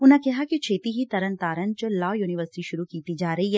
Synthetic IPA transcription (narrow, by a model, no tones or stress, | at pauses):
ʊnɦẽkɛɦakit͡ʃʰeːt̪iɦit̪ɐɾənt̪aːɾənt͡ʃɐlɔːjuːnɪʋəɾsɪ̥ʈiʃʊɾukiːt̪id͡ʒaːɾɐɦiɦɛ